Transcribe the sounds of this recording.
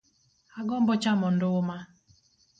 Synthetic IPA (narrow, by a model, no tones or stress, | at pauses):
aɡɔmbɔt͡ʃamɔndʊma